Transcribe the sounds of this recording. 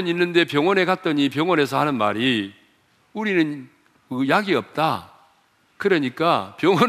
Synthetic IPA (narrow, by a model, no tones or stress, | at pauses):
ɲinːɯnde̞pjʌŋwʌne̞kat̚t͈ʌɲipjʌŋwʌne̞sʰʌhanɯnma̰ɾi | uɾinɯn | kɯjaɡiʌp̚t͈a̰ | kɯɾʌɲik͈apjʌŋwʌ